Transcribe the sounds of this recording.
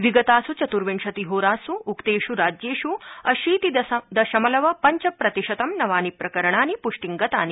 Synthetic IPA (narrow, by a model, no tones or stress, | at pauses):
ʋiɡɐt̪aːsut͡ʃɐt̪uɾʋiɳʂɐt̪iɦoːɾaːsuːkt̪eːʃuɾaːd͡ʒjeːʃuɐʃiːt̪id̪ɐd̪ɐʃɐmɐlɐʋɐpɐɲt͡ʃɐpɾɐt̪iʂɐt̪ɐmnɐʋaːnipɾɐkɐɾɐɳ̃aːnipuʂʈiŋɡɐt̪aːni